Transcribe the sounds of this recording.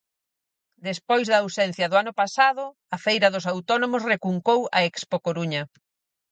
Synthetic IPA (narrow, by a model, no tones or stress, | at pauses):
d̪espojzðɐːwsɛn̟θjɐðʊanʊpasaðʊ | ɐfejɾɐðʊs̬awt̪ɔnomʊsrekuŋkowɐɛkspokoɾuɲɐ